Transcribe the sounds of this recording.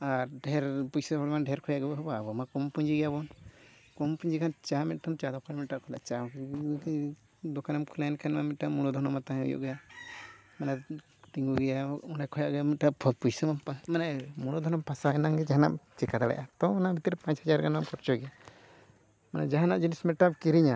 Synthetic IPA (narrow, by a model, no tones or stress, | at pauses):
aɾɖɛɾpujsɔɔɽmanɖɛɾkʰɔjaʔɡɛbɔɦɔbaːbɔmakɔmpuɲd͡ʒiɡɛabɔn | kɔmpuɲd͡ʒikʰant͡ʃamɛt̪̚ʈamt͡ʃad̪ɔkaɾmɛt̚aʔkʰɔla̰ʔt͡ʃa | d̪ɔkanɛmkʰulajnkʰanmamit̪̚ʈamuɽ̃ɔd̪ʱɔnɔmat̪aɦɛ̃ṵjɔ̰ʔɡɛja | mana | t̪iŋɡuɡɛjaunakʰɔjaʔɡɛmiʈabʰɔt̪̚pujsɔmapamanamuɽ̃ɔd̪ʱɔnɔmpasaɛnaŋɡɛd͡ʒaɦana̰ʔt͡ʃikad̪aɽɛ̰ʔat̪ɔɔnabʱit̪iɾɛpãt͡ʃhad͡ʒaɾɡanamkɔɾt͡ʃɔɡɛ | mana̰d͡ʒaɦanaʔd͡ʒinismɛʈap̚kiɾiɲa